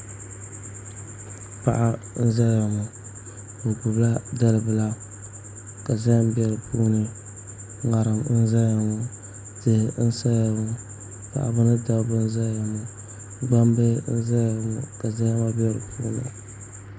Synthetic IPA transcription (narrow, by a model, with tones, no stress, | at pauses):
pa˨ʔa˦ | n̩˦za˦lja˨ŋu˨ | bo˨pu˨bla˦da˦lɨ˨bɨ˨la˦ | ka˨za˦m˦bɛ˨ɾɨ˨puː˦nɨ˨ | ŋa˨ɾɨ˨mn̩˦za˦a˨ŋu˨ | tɨ˦hn̩˦sa˦ja˨ŋʊ˨ | pa̰˨ʔa̰˨bɨ˦nɨ˦da˦bɨ˦n̩˦za˦lja˨mu˨ | ɡ͡ba˦mbe˦n̩˦za˦lja˨ŋṵ˨ka˨za˦ŋa˦bjɛ˦ɾɨ̰˨pʰuː˦nɨ̰˨